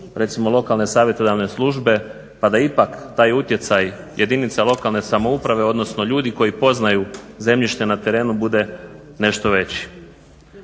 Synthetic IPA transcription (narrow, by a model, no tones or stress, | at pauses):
ɾe̞t̪simo̞lˠo̞kalne̞saːʋje̞t̪od̪aʋne̞slˠuʒbe̞ | pad̪aipakt̪aːjut̪je̞t̪saj | jʔe̞d̪init̪salˠo̞kalˠne̞samo̞upɾaʋe̞o̞d̪no̞sno̞ʎuːd̪iko̞jipo̞znajuze̞mʎiʃt̪e̞nat̪e̞ɾe̞ːnubud̪e̞ | ne̞ʃt̪o̞ʋe̞t͡ɕi̥